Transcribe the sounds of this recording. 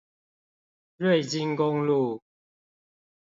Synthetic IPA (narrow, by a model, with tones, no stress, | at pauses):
lwe˥˨ɪt͡ɕi˦ŋko˦ŋlu˥˨